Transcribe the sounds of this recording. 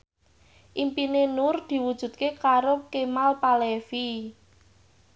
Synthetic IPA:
ʔimpinenʊrd̪̥i̤wud̥ʒ̥ṳd̪̥̚kekaɾokemalpalefi

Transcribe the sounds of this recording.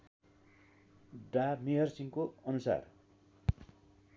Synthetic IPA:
ɖamiɦʌrsiŋkoʌnusa̰r

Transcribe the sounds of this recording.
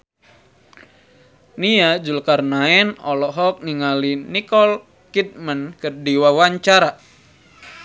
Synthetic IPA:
niad͡ʒulkarnaɛnɔlɔɦɔk̚niŋalinikɔl | kit̪̚mankərdiwawaɲt͡ʃaɾa

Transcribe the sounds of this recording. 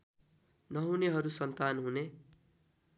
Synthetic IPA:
nʌɦuneɦʌɾusʌnt̪anɦune

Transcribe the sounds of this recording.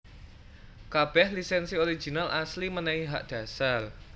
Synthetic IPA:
kab̥ɛhlisɛnsioɾi̥ʒ̥i̤nalʔaslimənɛiɦaʔd̪̥a̤sal

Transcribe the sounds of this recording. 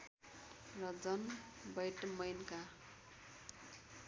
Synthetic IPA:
rʌd͡zʌn | bʌjʈmʌjnka

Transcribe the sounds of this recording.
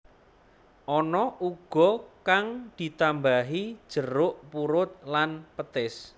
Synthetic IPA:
ʔɔnɔʔuɡ̥ɔ̤kaŋd̪̥i̤t̪ambaɦid̥ʒ̥əɾʊʔpuɾʊt̪̚lanpət̪ɪs

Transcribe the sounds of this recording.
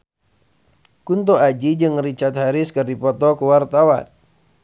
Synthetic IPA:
kunt̪oad͡ʒid͡ʒɨŋrit͡ʃat̪̚haɾɪskərdipɔt̪ɔkuwart̪awa̰n

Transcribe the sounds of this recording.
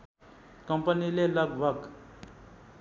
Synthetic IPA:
kəmpənilelʌɡ̚ʱbʱəɡ

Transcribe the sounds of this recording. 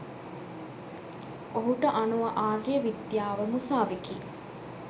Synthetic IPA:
oɦuʈəʔanuʋaʔaːrjəʋid̪jaːʋəmusaːʋiki

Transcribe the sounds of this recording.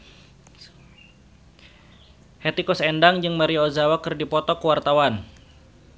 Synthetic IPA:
hɛt̪ikɔsɛndaŋd͡ʒɨŋmaɾiozawakɨrdipɔt̪ɔkəwart̪awan

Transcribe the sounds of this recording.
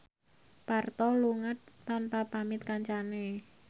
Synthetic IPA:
part̪ɔluŋət̪̚ːanpapamɪt̪̚kaɲt͡ʃane

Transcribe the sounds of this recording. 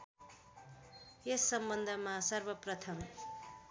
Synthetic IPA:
esːʌmbʌnd̪ʱʌmasʌrbʌprʌt̪ʰʌm

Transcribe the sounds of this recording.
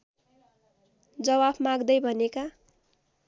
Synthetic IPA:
d͡zʌwabʰmãɡd̪ʌjbʱʌneka

